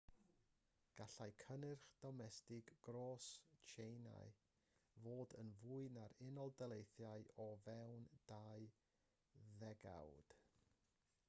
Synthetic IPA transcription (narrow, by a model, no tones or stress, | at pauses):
ɡ̥aɬajkʰənɨrχd̥ɔmɛstɪɡ̥ːroːst͡ʃʰejna̰j | voːdənvuːɨnaɾɪnɔlˠdəlˠejθjajɔvɛwnd̥aɨ | ðɛɡa̰wd̥